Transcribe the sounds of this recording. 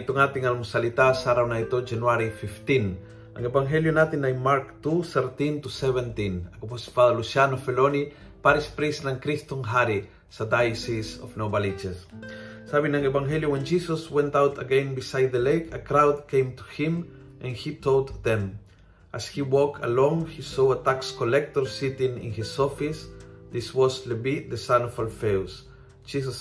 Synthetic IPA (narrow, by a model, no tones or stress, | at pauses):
t̪oŋat̪iŋalmʊsalit̪asaɾawnait̪od͡ʒanwaɾifift̪ĩn | ʔɐŋɛbaŋɦɛljonat̪ɪnajmaɾkt̪uθɛɾt̪ĩnt̪usɛvɛ̃nt̪ĩnɐkopospaðalusjanofɛloni | paɾɪspɾisnɐŋkɾist̪oŋɦaɾi | sɐd̪ajsisɔfnobalid͡ʒɛssabĩŋãŋevãŋɦeljowɛ̃nd͡ʒisəswɛ̃nt̪awt̪ʰəɡẽnbisajd̪̚ðəlejkʰəkɾawd̪̚kẽj̃mt̪uhɪ̃m | ʔãnhit̪ʰold̪ðɛ̃m | ʔashiwɔkʰa̰lɔ̃ŋhisoat̪akskolɛk̚t̪ɔɹsit̪ĩŋɪ̰̃nhisɔfisðiswɔslebiðəsanɔfalfews | d͡ʒis̬as